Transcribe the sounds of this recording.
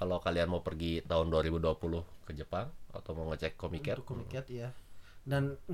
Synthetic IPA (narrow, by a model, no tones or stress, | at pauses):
kalawkalianmaupərɡit̪aɦʊnduaɾibuduapulʊhkəd͡ʒəpaŋa̰t̪awmauŋət͡ʃɛkːomikɛt̚kmiɛt̪jadan